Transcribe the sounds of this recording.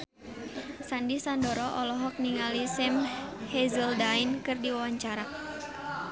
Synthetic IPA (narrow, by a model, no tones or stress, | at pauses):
sandisandɔɾɔʔɔlɔɦɔk̚niŋalisɛmhɛzəldainkɨrdiwawaɲt͡ʃaɾa